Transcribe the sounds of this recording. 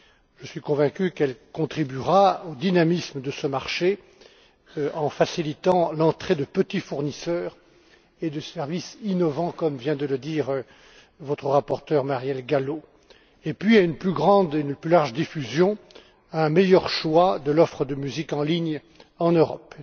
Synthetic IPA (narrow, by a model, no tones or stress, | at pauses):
ʒ̥əsɥikɔ̃vɛ̃kʲykɛlkɔ̃t̪χibyʁaod̪inamisməd̪əsəmaʁʃe | ɑ̃fasilit̪ɑ̃lɑ̃t̪χed̪əpət̪ifuʁnisœːʁ | ed̪əsɛʁvisinɔvɑ̃kɔmvjɛ̃d̪ələd̪iːʁ | vɔt̪χəʁapɔʁt̪œʁmaʁjɛlɡalo | epɥiaynplyɡʁɑ̃d̪eynplylaʁʒəd̪ifyzjɔ̃ | aɛ̃mɛjœʁʃwad̪əlɔfχəd̪əmyzikɑ̃liɲ | ɑ̃nøʁɔ̰p